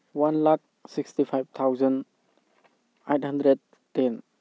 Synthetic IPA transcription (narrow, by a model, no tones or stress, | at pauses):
wanlak̚sikstipʰajb̚t̪ʰawzan | ejt̚handɾed̚ | ten